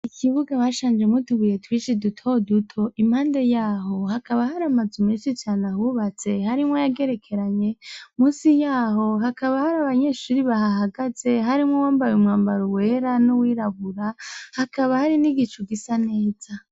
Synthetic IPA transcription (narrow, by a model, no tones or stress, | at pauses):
ikʰiβuɡaβaʃaːnd͡ʒemutuβuje̞twiːt͡ʃidutʰo̞dutʰo̞ʔimhaːnde̞jaːɦo̞hakʰaβahaɾamazumiːʃit͡ʃaːnahuβat͡se̞haɾimŋojaɡe̞ɾe̞kʰe̞ɾaɲe̞muːsijaːɦo̞ɦakʰaβahaɾaβaɲe̞ʃuɾiβaɦaɦaɡaz̥e̞ɦaɾimŋowaːmbajumŋaːmbaɾowe̞ːɾanuwiːɾaβuɾahakʰaβahaɾiniɡit͡ʃuɡisane̞ːz̥a